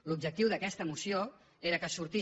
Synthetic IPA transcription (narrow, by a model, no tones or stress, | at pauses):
lub̚d͡ʒək̚t̪iwðəkɛst̪əmusio | eɾəkəsuɾt̪i